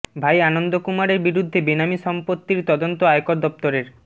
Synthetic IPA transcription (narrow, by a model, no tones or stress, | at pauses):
bʱajanond̪okumaɾeɾbiɾud̪ʱːebinamiʃɔmpot̪ːiɾt̪ɔd̪ont̪oajokoɾd̪ɔp̚t̪oɾeɾ